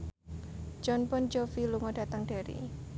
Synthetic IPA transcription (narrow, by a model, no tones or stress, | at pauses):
d͡ʒɔnpɔnd͡ʒɔfiluŋɔd̥a̤t̪aŋd̥aɾḭ